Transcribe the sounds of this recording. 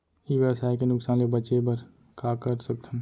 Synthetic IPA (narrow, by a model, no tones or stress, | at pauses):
iʋjəʋsaːekenʊksaːnlebət͡ʃebəɾ | kakəɾsək̚t̪ʰəm